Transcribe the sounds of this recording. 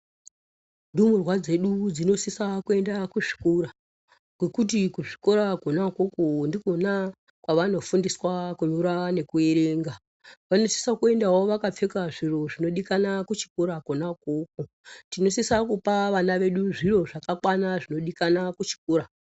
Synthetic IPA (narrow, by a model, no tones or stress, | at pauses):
ndumurwad͡ze̞ɗud͡zino̞sisakue̞ndakuʐi̥kuɾa | ɡ̥we̞kut̬ikuʐi̥ko̞ɾakonakokondiko̞na | kwaʋano̞fundiswakuɲuɾane̞kue̞ɾeːŋɡa | ʋano̞si̥sakue̞ndawoʋakap͡fe̞kaʐiro̞ʐino̞ɗikanakut͡ʃi̥kuɾakonakok̚o | tino̞sisakupaʋanaʋe̞ɗuʐiro̞ʐakakwanaʐino̞ɗikanakut͡ʃi̥kuːɾa